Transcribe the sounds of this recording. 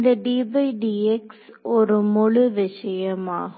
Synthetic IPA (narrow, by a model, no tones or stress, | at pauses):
nd̪ɐɖiːbɐɪɖieksɔɾɯmɔɭʊʋɪʂɐjɐma̰ːɦ